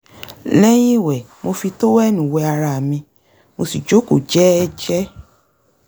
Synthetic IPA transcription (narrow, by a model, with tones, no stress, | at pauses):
lɛ˦j̃ĩ˦˨wɛ˨ | mo˧fi˧to˦wɛ˦˨nũ˨wɛ˧a˧ɾa˧a˨mĩ˧ | mo˧si˨d͡ʒo˨˦ko˨d͡ʒɛ˦ɛ˦d͡ʒɛ˦